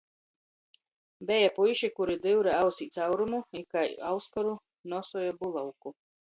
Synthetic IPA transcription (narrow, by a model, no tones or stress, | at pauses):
bɛjapujʃikuɾid̪ɨwɾɛawsiːt̪sawɾumuikajawskaɾu | nɔsujabulˠawku